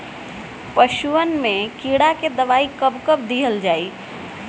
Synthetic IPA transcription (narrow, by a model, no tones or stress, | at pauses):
pəʃuənmekiɽaked̪əʋaikəbkəb̚d̪iɦəld͡ʒai